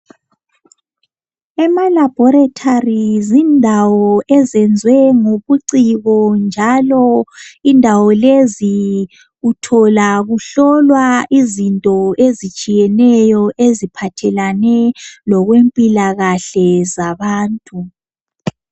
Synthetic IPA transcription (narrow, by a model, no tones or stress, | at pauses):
ɛmalab̥ʱɔɾatʰarizindʱawɔʔɛzɛnd͡zʱwɛŋoβuǀiɣɔnd͡ʒʱalɔindʱawɔlezi | ɣutʰɔlaɣuɬɔlwaʔizintʼɔezit͡ʃʼijɛnɛjɔʔezipʰatʰɛlanɛlɔɣwempʼilaɣaɬɛzaβaːntʼu